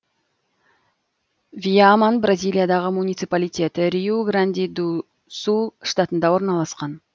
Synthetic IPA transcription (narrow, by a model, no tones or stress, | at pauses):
viamanbrazʲijlˠijad̪ɑʁəmunʲijt̪sɨpalˠijt̪ʲe̞t̪ɪɾiuɡɾand̪ʲid̪u | suʂt̪at̪ənd̪ɑwo̞ɾnɑlˠɑsqɑn